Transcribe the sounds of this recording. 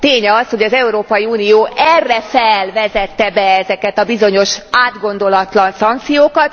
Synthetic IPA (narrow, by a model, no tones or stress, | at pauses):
t̪eːɲɛɒsho̞ɟɒzɛuɾoːpɒjiuːnijoːʔɛrːɛfɛlvɛzɛt̪ːɛbɛɛzɛkɛt̪ɒbizo̞ɲo̞ʃaːd̪ɡo̞nd̪o̞lɒt̪lɒnsɒŋk̚t̪sijoːkɒt̪